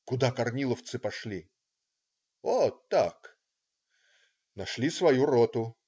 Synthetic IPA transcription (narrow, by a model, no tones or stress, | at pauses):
kʊd̪akɐrnʲilˠəft̪sɨpɐʂlʲi | ot̪ːak | nɐʂlʲisvɐjuɾot̪ʊ